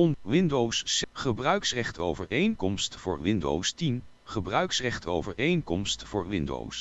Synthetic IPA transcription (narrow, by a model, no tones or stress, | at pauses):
ɔnʋɪndowsχəbrœɥksrɛχtʰowvəɹejŋkɔmstfʊːɹʋɪndo̰wstin | χəbrœɥksrɛχtʰo̰wvəɹejŋkɔmstfʊːɹʋɪndo̰ws